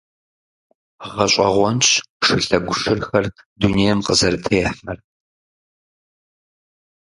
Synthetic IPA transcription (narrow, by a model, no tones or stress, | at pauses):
ʁɐɕʷʼɐʁʷɔnɕ | ʂɨɬɐɡʷʊʂɨrxɐr | dunejɛmqəzɐɾɨtʰeːħɐr